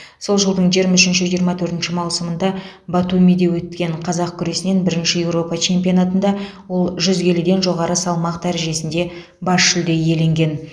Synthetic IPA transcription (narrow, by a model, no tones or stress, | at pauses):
so̞lˠʒəlˠd̪əɴʒijəɾmɑʏʃɪnʃɪʒijɾmɑt̪ʰɵɾt̪ɪnʃɪmɑwsəmənd̪ɑ | bat̪umʲijd̪e̞wɵt̪kʲe̞ɴqʰɑzɑqkʲʰʏɾe̞sɪne̞nbɪɾɪnʃɪje̞wɾo̞pɑt͡ʃʰe̞mpʲijo̞nat̪ənd̪ɑwo̞lˠʒʏzɡʲe̞lɪd̪e̞nʒo̞ʁɑɾəsɑlˠmɑq̚d̪æɾʒe̞sɪnd̪e̞ | bɑʃʃʏld̪e̞je̞le̞ŋɡʲe̞n